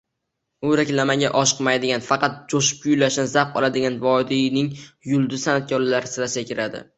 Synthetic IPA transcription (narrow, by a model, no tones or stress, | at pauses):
ʊɾakʲlamaŋɡʲaʔɒʃɨ̥qmajd̪ɪɡʲanfɑqʰɑt̪̚d͡ʒoʃɪ̥p̚kʊjlaʃnɪzap̚qʰɒ̰lˠad̪ɪɡʲanvɒd̪inɪŋjʊlˠd̪ʊsanat̪̚kʰʲɒɾlaɾɪsɪɾasakʲɪɾad̪ɪ̰